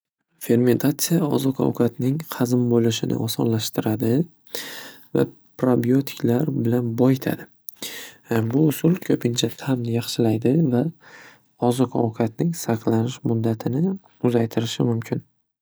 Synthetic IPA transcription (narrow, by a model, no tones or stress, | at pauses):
fe̞ɾme̞nt̪ʰat̪sɨjaɒ̰zɒqʰɒ̰wkʰat̪nɪŋqʰɑzɪmbolɪʃɪnʔɪ̰ʔɒsɒnlaʃt̪ɪɾad̪ɪ | va̰ | pɾobiot̪ʰɪ̥kʲʰlaɾbɪlanbɒjɪt̪ʰa̰d̪ɪ | bʊːsʊlkʲʰɵpʰɪnt͡ʃʰat̪ʰamjɑχʃɪlajd̪ɪva | ɒzɒqʰɒ̰wkʰat̪̚nɪŋsaqlˠanɪʃmʊd̪ːat̪ʰɪnɪ | ʊzajt̪ʰɪɾɪʃɪmʊmkʲʰɪn